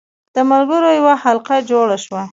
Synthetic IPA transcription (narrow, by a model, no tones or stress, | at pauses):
d̪̥əmalɡəɾojawahalqad͡ʒoɽaʃwa